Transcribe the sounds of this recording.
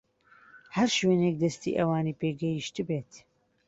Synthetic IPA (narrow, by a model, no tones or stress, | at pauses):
hɐɾʃweːneːk̚d̪ɐst̪ḭʔɐwaːniːpeːɡɛjiʃt̪ɨbeːt̪